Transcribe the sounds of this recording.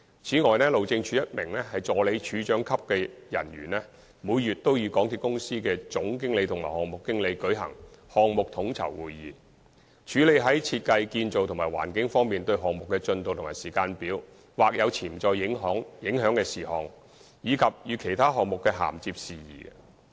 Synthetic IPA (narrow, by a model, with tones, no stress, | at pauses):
t͡sʰiː˨˥ŋɔː˨jnɛː˥lo˨wt͡sɪ˧ŋt͡ʃʰyː˨˥jɐ˥t̚mɪ˨˩ŋlɛ˥hɐ˨jt͡sɔː˨le˨˥jt͡ʃʰyː˨˥t͡ʃœː˨˥ŋkʰɐ˥p̚kɛː˧jɐ̰˨˩nɥyː˨˩nlɛ˥ | muː˨˧jjyː˨t̚t̪ːo˥wjiː˨˧kɔː˨˥ŋt̪ʰi˧p̚kʊ˥ŋsiː˥kɛː˧t͡sʊ˨˥ŋk̬ɪ˥ŋle˨˧jt̪ʰʊ˨˩ŋmaː˨˩hɔː˨ŋmʊ˨˩kːɪ˥ŋle˨˧jkɵ˨˥ɥɦɐ̰˨˩ŋhɔː˨ŋ̚mʊ˨k̚t̪ʰʊ˨˥ŋt͡sʰɐ̰˨˩wwuː˨jːḭː˨ | t͡ʃʰyː˨˥le˨˧jɦɐ˨˥jt͡sʰiː˧t̚kɐ˧jkiː˧nt͡so˨wt̪ʰʊ˨˩ŋmaː˨˩jwa̰ː˨˩nkɪ˨˥ŋfɔː˥ŋmiː˨nt̪ɵ˧ɥɦɔː˨ŋ̚mʊ˨k̚ːɛː˧t͡ʃɵ˧nt̪o˨wt̪ʰmaː˨˩siː˨˩kaː˧npiː˨˥w | waː˨k̚jɐ˨˧wt͡sʰiː˨˩m̩t͡sɔː˧jɪ˨˥ŋɦɔː˨˥ŋjɪ˨˥ŋɦœː˨˥ŋkɛː˧siː˨˩hɔː˨˩ŋ | jiː˨˧kʰɐ˨p̚jyː˨˧kʰe˨˩jt̪ʰaː˥ɦɔː˨k̚mʊ˨kːɛː˧ɦa̰ː˨˩mt͡siː˧p̚siː˨jḭː˨˩ɡɛ̰˧